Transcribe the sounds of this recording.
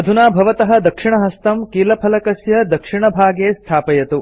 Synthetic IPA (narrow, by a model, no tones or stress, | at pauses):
ɐd̪ʱunaːbʱɐʋɐt̪ɐɦɐ̆d̪ɐkʂiɳɐɦɐst̪ɐmkiːlɐpʰɐlɐkɐsjɐd̪ɐkʂiɳɐbʱaːɡeːst̪ʰaːpɐjɐt̪u